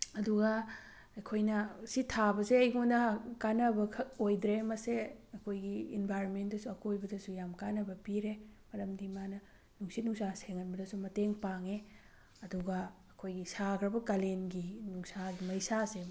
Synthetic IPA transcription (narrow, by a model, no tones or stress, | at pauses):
ɐduɡɐ | ɐkʰojnɐsitʰabɐseɐjɡundɐkanɐbɐkʰojdɾemɐseɐkʰojɡiinbʱajɾonmentdɐsuɐkojbɐdɐsujamkanɐbɐpiɾemɐɾɐmdimanɐ | nuŋsit̚nuŋsaseŋɐnbɐdɐsumɐteŋpaŋe | ɐduɡɐː | kʰojɡisakɾɐbɐkalenɡinuŋsaimɐjsase